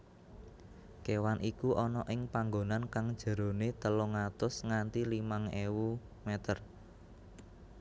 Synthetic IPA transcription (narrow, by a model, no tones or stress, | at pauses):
kewanʔikuʔɔnɔʔɪŋpaŋɡonankaŋd̥ʒ̥ə̤ɾo̤net̪əlʊŋat̪ʊsŋant̪ilimaŋewu | met̪ər